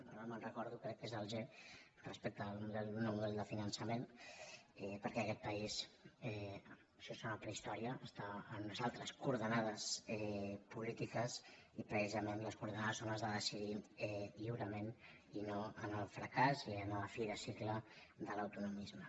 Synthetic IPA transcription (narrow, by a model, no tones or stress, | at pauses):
onamənrəkɔɾðukɾɛk̚tːezəlˠʒe | rəspek̚t̪əlˠmuðɛlnolmuðɛlˠd̪əfinənsəmen | ɛpəɾkɛəkɛt̪̚pəisɛ | ʃɔsonap̪ɾəist̪ɔɾiəəst̪aːnunəzalˠt̪ɾəskuɾðənaðəsɛpulit̪ikəs | ipɾəsizəmenləskuɾðənaðəsonəzðəðəsiðiɛʎiwɾəmen | inoənəlfɾəkaziənəəfiɾəsiklə | d̪ələwt̪unumizmə